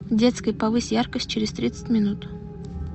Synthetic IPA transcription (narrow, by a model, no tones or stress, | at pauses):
dʲe̞t̪skəjpɐvɨsʲjarkəsʲt̚ʲt͡ɕɪɾʲɪst̪ɾʲit̪sə̥tʲmʲɪnut̪